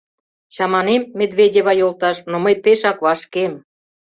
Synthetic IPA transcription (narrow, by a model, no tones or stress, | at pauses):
t͡ɕɑmɑnemːed̪vedʲeβɑjolt̪ɑʃnoməjpeʃɑkβɑʃkem